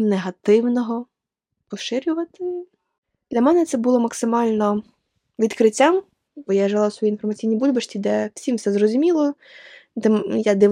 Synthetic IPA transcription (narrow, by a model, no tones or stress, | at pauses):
neɦɐt̪ɪwnɔɦɔ | pɔʃɪɾʲʊʋɐt̪ɪ | d̪̥lʲɐmɛnɛt̪sɛbʊlˠɔmɐksɪmɑlʲnɔ | ʋʲid̪kɾɪtʲːam | b̥ɔjaʒelˠawsʋɔjinfɔrmɐt͡sʲijnʲibulʲbɐʃtʲid̪ɛw̥sʲimfsɛzrɔzʲʊmʲilˠɔ | d̪ɛjad̪ɪʋ